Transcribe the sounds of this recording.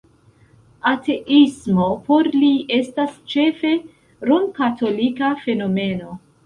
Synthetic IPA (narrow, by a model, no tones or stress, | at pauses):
ate̞ʔismopo̞ɾlie̞stast͡ʃe̞fe̞ | ɾonkatʰo̞likafe̞no̞me̞no̞